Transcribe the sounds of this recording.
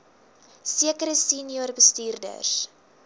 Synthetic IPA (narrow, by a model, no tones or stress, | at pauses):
siəkəɾəsiːnioːrbəstiːrdə̰s